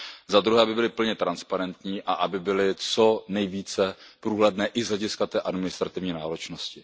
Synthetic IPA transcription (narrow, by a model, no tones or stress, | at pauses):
zad̪ɾuɦɛːabɪbɪlɪpl̩ɲɛt̪ɾanspaɾɛnt̪ɲiːʔaʔabɪbɪlɪt͡so̞nɛjviːt͡sɛpɾuːɦlɛdnɛːʔɪzlɛɟɪskat̪ɛːʔadmɪnɪst̪ɾat̪ɪvɲiːnaːɾo̞t͡ʃnoscɪ